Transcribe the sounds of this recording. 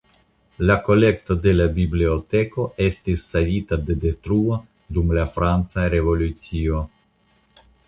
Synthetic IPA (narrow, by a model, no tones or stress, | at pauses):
lako̞le̞kt̪od̪e̞labibliot̪e̞ko̞e̞stisːalit̪ad̪e̞d̪e̞t̪ɾuo | d̪umlafɾant͡saɾe̞vo̞lut͡sio